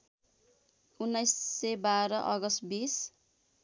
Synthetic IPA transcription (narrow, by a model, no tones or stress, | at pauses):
unːʌjsːebaɾʌʔʌɡʌst̪bis